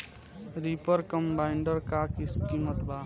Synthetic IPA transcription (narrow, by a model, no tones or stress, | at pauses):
ɾipəɾkəmbaɪɳɖəɾkakɪsmkiːmət̪bʱaː